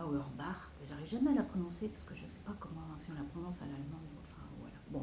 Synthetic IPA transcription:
aoœʁbaʁbaʒaʁivʒamɛalapχɔnɔ̃sepaʁskəʒəsɛ̥pakɔmɑ̃siɔ̃lapχɔnɔ̃sa̰lalmɑ̃d̪ɑ̰̃fɛ̰̃vwa̰la̰bɔ̃

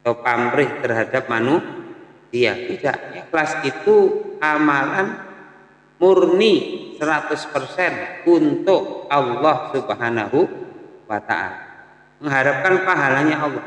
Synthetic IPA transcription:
at̪opambɾɪht̪ərɦadap̚manu | sia̰bida̰ʔɲaflasit̪uamalan | mʊrnisəɾat̪ʊspərsɛnunt̪ʊʔɑlːɑhsubɦanaɦuwat̪a̰ʔa̰la | məŋɦaɾap̚kanpaɦalaɲaɑlːɑh

